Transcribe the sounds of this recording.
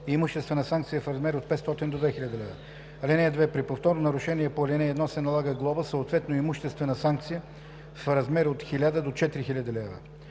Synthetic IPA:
imuʃt̪ɛst̪vɛnəsaŋk̚t̪sijəfɾɐzmɛɾot̪̚pɛt̪st̪ɔt̪ind̪od̪vɛxilʲad̪əlɛvə̰ | ɐlʲɛnɛd̪vɛpɾipoft̪ɔɾnonɐɾʊʃɛniɛpolʲɛnɛɛːd̪nɔsɛnɐlˠaɡəɡlˠɔbəsəot̪vɛt̪noimuʃt̪ɛst̪vɛnəsaŋk̚t̪sijə | fɾɐzmɛɾot̪xilʲad̪əd̪ot͡ʃɛt̪iɾixilʲad̪ilɛvə̰

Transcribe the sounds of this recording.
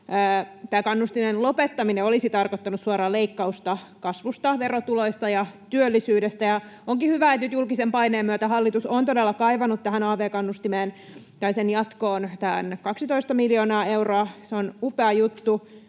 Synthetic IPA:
əːt̪æːkɑnːust̪inenlopet̪ːɑmineolisit̪ɑrkot̪ːɑnussuɑɾɑːleikːɑust̪ɑkɑsʋust̪ɑʋerot̪uloist̪ɑjɑt̪yølːisyːdest̪æjɑoŋkihyʋæet̪nyt̪julkisempɑineːmmyøt̪æɦɑlːit̪usont̪odelːɑkɑiʋɑnut̪t̪æhænɑːʋeːkɑnːust̪imeːn | t̪ɑisenjɑt̪koːnt̪æːnkɑksit̪oist̪ɑmiljoːnɑːe̞uroɑseonupeɑjut̪ːu

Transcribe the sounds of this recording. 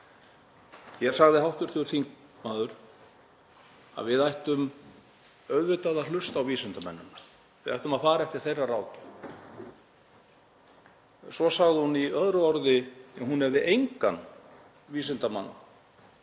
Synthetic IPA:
jɛɾsaɣðɪɦawht̪ʏɾ̥θɪʏɾ̥θiŋkmaːðʏɾ̥ | a̰ðvɪðajht̪ʏm | œɥðvɪt̪aðalʏst̪awviːsɪnt̪amɛ̰nːʏnːa | vɪðajht̪ʏmaðfaːɾaɛft̪ɪɾ̥θejraraːwc̪ʏ̥ | sɔsaɣðɪhuniœðɾʏɔɾðɪjaɦunhɛvðɪʔejŋkanː | viːsɪnt̪ama̰nːa̰

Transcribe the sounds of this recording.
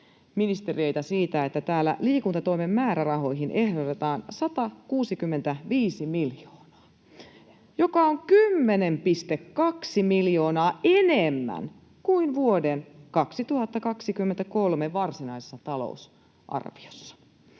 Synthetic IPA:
minist̪erie̞it̪æsiːt̪æet̪ːæt̪æːlːæ̰liːkunt̪ɑt̪oimemːæːɾærɑɦo̞jɦinʔehdot̪et̪ɑːnsɑt̪ɑkuːsikymːent̪æʋiːsimiljoːnɑ̥ː | jo̞kɑoŋkymːenempist̪ekːɑksimiljo̞ːnɑːenemːæ̰n | kuinʋuodenkɑksit̪uhɑt̪ːɑkɑksikymːent̪ækolmeʋɑrsinɑisesːɑt̪ɑlo̰us | ʔɑ̰rʋiosːɑ̥

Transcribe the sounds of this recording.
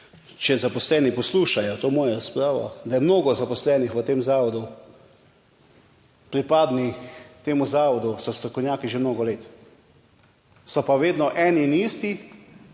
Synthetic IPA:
t͡ʃɛzapɔslɛːnipɔsluːʃajɔt̪oːmɔːjaɾaspɾaːʋɔ̰d̪ajɛmnoːɡɔzapɔslɛːnixʋət̪eːmzaːʋɔd̪u | pɾipaːd̪nit̪eːmuzaːʋɔd̪usɔst̪ɾɔkɔwnʲjaːkiʒemnoːɡɔleːt̪ | sɔpaʋeːd̪nɔʔɛːninist̪i

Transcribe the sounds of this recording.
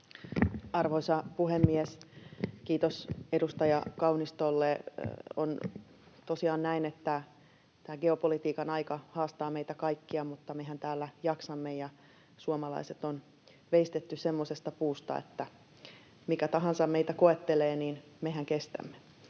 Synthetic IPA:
ɑrʋoisɑpuɦhemːieskiːt̪osedust̪ɑjɑkɑunist̪olːeo̰n | t̪osiɑːnnæinet̪ːæ | t̪æːɡeopolit̪iːkɑnɑikɑhɑːst̪ɑːmeit̪ækɑikːiɑmut̪ːɑmeɦænt̪æːlːæjɑksɑmːejɑ | suomɑlɑ̰iset̪on | ʋeist̪et̪ːysemːosest̪ɑpuːst̪ɑ̰ḛt̪ːæ | mikæt̪ɑɦɑnsɑmmeit̪ækoet̪ːeleːniːnmehæŋkest̪æ̰mːe

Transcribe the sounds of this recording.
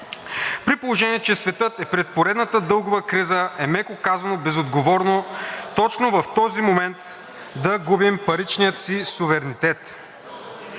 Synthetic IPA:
pɾipolˠoʒɛniɛt͡ʃɛsvɛt̪ɤt̪ɛpɾɛt̪̚poɾɛd̪nət̪əd̪ɤlˠɡʊvəkɾizəɛmɛkokazɐnobɛzod̪ɡovɔɾnot̪ɔt͡ʃnovɐft̪ɔzimomɛnt̪ | d̪ɐɡubimpɐɾit͡ʃnijət̪sisuvɛɾnit̪ɛt̪

